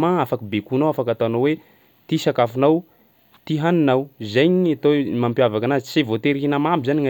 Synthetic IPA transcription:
maafakibekunawafakat̪aanowe | t̪isakafunaw | t̪iɦaninawzajɲiat̪omampjavakanasevot̪eɾiɦinamambizaniŋa

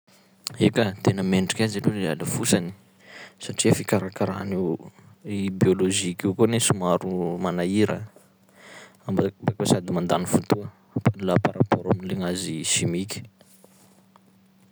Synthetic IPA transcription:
ekət̪enəmeɳʈ͡ʂi̥kʲazilulea̰ləfusani̥ | saʈ͡ʂiəfikaɾakaɾa̰ni | ibioloʒikikunesumaɾumanaiɾə | ambambakasad̪imand̪anifut̪uə | panlapaɾapɔɾaminileŋaziʃimikʲi̥

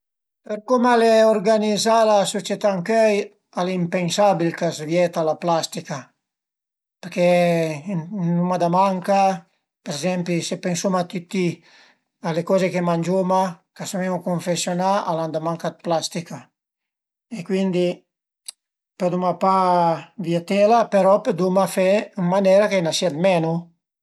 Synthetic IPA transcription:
perkomaleorɡanizalasot͡ʃet̪aŋkøj | alimpensabilkazvjɛt̪alaplast̪ika | peɾkɛ | numad̪amaŋka | peɾezɛmpisepensumat̪it̪ːi | alekɔːzekemand͡ʒomakasmemukoɱfesjonaaland̪amaŋkad̪̚plast̪ika | ekwind̪i | ped̪umapavjet̪ɛlapeɾɔped̪umafɛnmanɛːɾakenasiad̪mɛnu

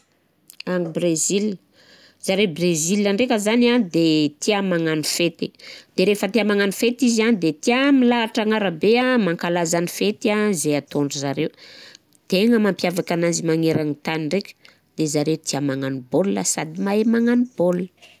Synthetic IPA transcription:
aŋibrezil | z̥aɾewbrezilaɳɖ͡ʐekʲəzanad̪et̪iamaŋanifet̪id̪̥eɾefət̪iamaŋanifet̪izianid̪et̪iamilaːʈ͡ʂaŋaɾəbeamaŋkalazanifet̪iazeat̪oɳɖ͡ʐuzaɾew | t̪eŋəmampjavakanazimaŋeɾaŋit̪aniɳɖ͡ʐekʲə̥ | d̪ezaɾet̪iamaŋanibolːasad̪imaemaŋanib̥olə̥

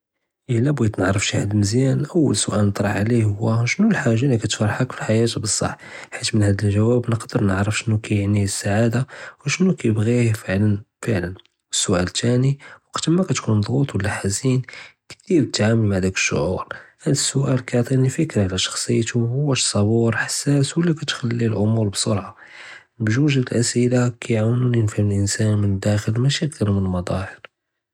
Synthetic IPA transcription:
ʔəlːæbjt̪nəʕɾəfʃihad̪lməzjænʔəwːə̰lsʊʔælnət̪ˤɾˤɑħʕlihʊwːæʃənːulħaʒːalːikæt̪fɑɾˤħəkfilħajæt̪bəsˤːɑ̰ħ | ħit̪mənhæd̪əlʒæwæbnəqd̪əɾnəʕɾəfʃənːukæjəʕnisːaʕad̪awʃənːukæjəbɣifəʕlənfəʕlən | wəsːʊʔæ̰lt̪æniwɑqt̪əmækæt̪kund̪ˤɣut̪ˤwəlːæħazinkt̪iɾt̪ʕaməlmaʕd̪ækə̥ʃːʊ̰ʕṵɾhænd̪ə̥sːʊʔælkɑt̪ˤinifəkɾʕlæʃɑ̥xsˤəjːt̪uhwːæʃsˤɑbuɾħḁsːæswəlːækæt̪xælːilʔʊmuɾbsoɾʕɑ | bʒuʒæd̪əlʔæsʔəlakʰæjʕawnuninfæməlʔənsænmənəd̪ːæxəlmæʃək̚d̪ɑɾmənəlmɑd̪ˤɑhəɾ

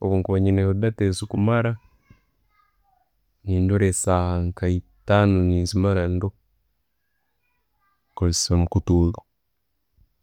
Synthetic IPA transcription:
oβuːŋkuβaɲineudatesukumaɾa | niːndoɾesaŋkaitanoninzimaɾando | kosomukutuːɣa

